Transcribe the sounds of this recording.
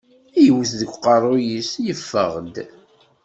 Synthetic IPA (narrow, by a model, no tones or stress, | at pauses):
æjəwəθðəɡʷqɑrˤːʊojisjəfːə̰ʁd̪